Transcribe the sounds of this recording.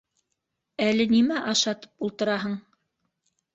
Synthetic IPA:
ælɘnimæʔɑʃɑt̪ɤ̥pulˠt̪ɤ̆ɾɑɦɤɴ

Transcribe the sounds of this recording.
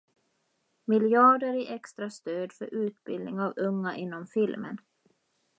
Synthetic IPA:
mɪljɑːɖəɾɪʔɛkst̪ɾast̪øːd̪fœɾʉ̟ːt̪bɪ̰ld̪ɪŋavɵŋːaʔɪnːɔmfɪlmə̰n

